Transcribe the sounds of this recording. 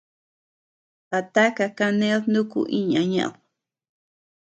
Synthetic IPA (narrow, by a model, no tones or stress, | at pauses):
pat̪akakanelnʊkʊ̰ʔiɲaɲa̰w